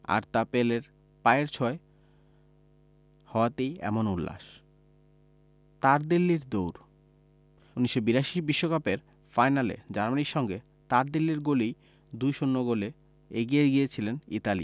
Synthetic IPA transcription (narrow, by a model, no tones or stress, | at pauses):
a̰ɾt̪apeleɾ | paeɾt͡ɕʰɔe | hɔoat̪ejɛ̰monulːa̰ʃ | t̪aɾd̪ilːiɾd̪owɾ | uniʃːobiɾaʃibiʃːokapeɾ | fajnalḛd͡ʑaɾmaniɾʃɔŋɡe | t̪aɾd̪ilːiɾɡolij | d̪ujʃonːoɡole | eɡijeɡijet͡ɕʰilenit̪alḭ